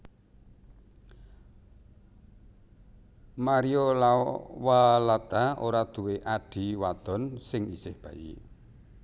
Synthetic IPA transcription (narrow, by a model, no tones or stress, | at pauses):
maɾiolawalat̪aoɾad̪̥ṳweʔaɖ̥i̤wad̪̥ɔ̤nsɪŋisɪhb̥ä̤ʔḭ